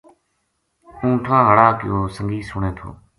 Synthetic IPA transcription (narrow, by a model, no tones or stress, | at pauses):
ũːʈʰãːɦəɽaːkɪ̰joːsəŋɡiːsʊɳẽːt̪ʰo̰ː